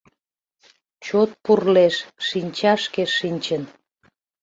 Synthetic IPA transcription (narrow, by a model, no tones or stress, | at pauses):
t͡ɕot̪̚purleʃʃinʲt͡ɕɑʃkeʃːinʲt͡ɕən